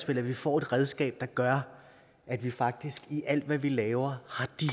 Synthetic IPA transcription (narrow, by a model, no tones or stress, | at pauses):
sb̥e̝l̰æʋifɒ̰ːe̝d̥ʁɛð̞ˠsɡ̥ɛ̰ːb̥̚d̥ɑ̈ɡ̥ɶɐ | ʔæd̥ʋifɑ̈ɡ̥̚d̥isɡ̥iʔæl̰d̥ʋæʋilɛːʊɐhɑ̈d̥i